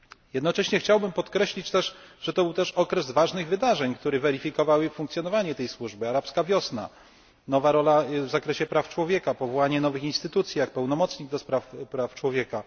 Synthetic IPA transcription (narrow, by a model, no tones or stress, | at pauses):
jɛd̪nɔt͡ʂɛɕɲɛxt͡ɕawbɘmpɔt̪kɾɛɕlʲit͡ɕt̪ɛʂʐ̥ɛt̪ɔbɘwt̪ɛʂɔkɾɛzvaʐnɘɣvɘd̪aʐɛɲk̚t̪uɾɛvɛɾifʲikɔvawɘfuŋk̚t̪sʲjɔn̪ɔvaɲɛt̪ɛjswuʐbɘaɾapskavʲjɔsna̰ | nɔvaɾɔlavzakɾɛɕɛpɾaft͡ʂwɔvʲjɛkapɔvɔwaɲɛnɔvɘxinst̪ɘt̪ut̪sʲjaxpɛwnɔmɔt̪sɲiɡd̪ɔspɾafpɾaft͡ʂwɔvʲjɛka